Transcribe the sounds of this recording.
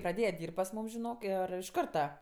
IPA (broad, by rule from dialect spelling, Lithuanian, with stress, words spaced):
prɐˈdʲeːjɛ ˈdʲiːrʲpʲtʲ pɐs ˈmuːm ʒʲɪˈnoːk ˈɪr ɪʃ ˈkɐrtɐ